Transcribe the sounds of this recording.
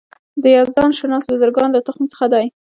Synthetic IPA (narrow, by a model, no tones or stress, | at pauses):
d̪əjɑzd̪ɑnʃanɑsbazaɾɡɑnlat̪ʊxmt͡sə̥xad̪aj